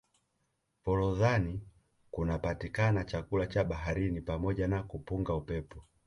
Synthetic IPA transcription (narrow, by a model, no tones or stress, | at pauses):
pɔlɔðani | kunapatikanat͡ʃakulat͡ʃaɓaɦaɾinipamɔʄanakupuŋɡaupɛpɔ